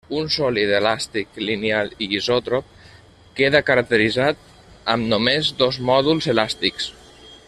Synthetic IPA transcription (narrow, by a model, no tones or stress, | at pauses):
unsɔliðelast̪iklinealiɣizɔt̪ɾop̚ | keðəkəɾək̚t̪əɾizat̪̚ | əmnumezd̪ɔzmɔðulˠzelast̪iks